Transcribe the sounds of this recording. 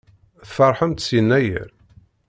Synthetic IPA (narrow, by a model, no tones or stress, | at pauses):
θfɑɾˤħəmt̪sjənːæjə̰ɾ